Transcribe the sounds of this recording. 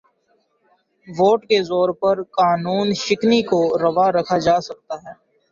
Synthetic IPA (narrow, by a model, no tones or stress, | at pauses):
ʋoːʈkezɔːɾpɐɾkaːnuːnʃɪknikoɾɐʋaɾɐkʰad͡ʒaːsɐk̚t̪aɦɛː